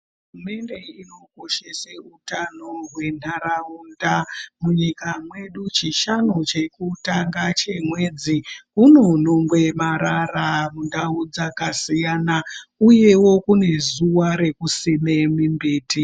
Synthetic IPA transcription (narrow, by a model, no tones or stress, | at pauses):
ɦɦurume̞nde̞ino̞ko̞ʃeseutanoɦwe̞n̤aɾauːndamuɲikamwe̞ɗut͡ʃiʃanot͡ʃe̞kutaŋɡat͡ʃemwe̞d͡ziuno̞no̞ŋɡwe̞maɾaramundaud͡zakasijanauje̞wo̞kune̞zuwaɾe̞kusinemimbiːti